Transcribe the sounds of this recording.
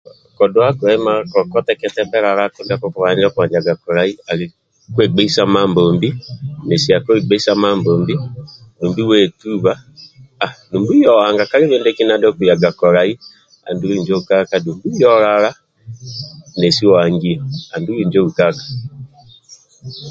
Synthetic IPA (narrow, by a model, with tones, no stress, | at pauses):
kɔ˨do˦a˦ku˨ɾa˨i˦ma˦kɔ˨kɔ˦tɛkɛtɛ˦bɛ˦ɾa˨ɾa˦ku˦ndakɔkwa˨ɲd͡ʒakwa˨ɲd͡ʒaɡa˨kɔ˨ɾa˨i˦a˨ɾe | kwe˨ɡ͡be˦i˦sa˦ma˦mbo˨mbi˦ne˨si˨a˨ko˦i˨ɡ͡be˦i˦sa˦mamboː˨mbi˦nu˨mbi˦we˨tu˦βaː˦˨ | nu˨mbu˦i˦jɔ˨wa˨ŋɡa˨ka˦ɾe˦βeː˦nde˦ki˦na˦dɔ˦ku˨ja˨ɡa˨kɔ˨ɾai˦ | a̰˨ndu˦ɾu˨ɲd͡ʒo˦uka˦ka˨nuː˨mbu˦i˦jɔ˦ɾaɾa˦ | ne˨si˦ɔa˨ŋɡiɔ˨a˨ndu˦ɾi˦˨ɲd͡ʒo˦u˨kakḁ